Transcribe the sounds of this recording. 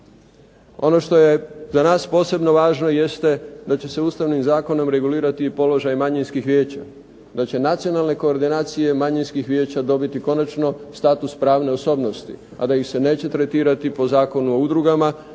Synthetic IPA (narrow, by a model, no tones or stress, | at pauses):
o̞no̞ʃt̪o̞je̞zanaːspo̞ːse̞bno̞ʋaːʒno̞je̞st̪ed̪at͡ɕe̞se̞uːst̪aʋnimzaːko̞no̞mɾe̞ɡuliːɾat̪iːpo̞lo̞ʒajmaɲinskixʋʲje̞ːt͡ɕa̰ | d̪at͡ɕe̞nat̪sio̞nalˠne̞ko̞ːɾd̪inaːt̪sije̞maɲinskixʋʲje̞ːt͡ɕad̪o̞bit̪iko̞nat͡ʃno̞st̪aːt̪uspɾaːʋne̞oso̞ːbno̞st̪ḭ | a̰d̪ajixse̞ne̞ːt͡ɕe̞t̪ɾe̞t̪iːɾat̪ipo̞zaːko̞nuoud̪ɾuɡama